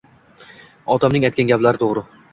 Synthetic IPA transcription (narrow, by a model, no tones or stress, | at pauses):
ɒd̪amnɪŋajt̪kʲanɡʲaplaɾɪt̪ʰoʁɾɪ